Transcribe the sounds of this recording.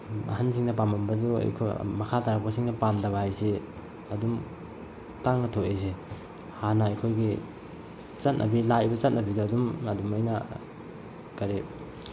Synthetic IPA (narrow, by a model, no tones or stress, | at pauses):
ɐ̰hans̬iŋdɐpamɐmbɐdua̰jkʰo̰mɐkʰataɾaposiŋnɐpamdɐβɐhajse | ɐdum | taŋnɐtʰoes̬e | hanaɐjkʰojɡi | t͡ʃɐt̚nʔɐ̰bilaibɐt͡ʃɐt̚nɐbiduɐdumɐdumojna | kɐɾe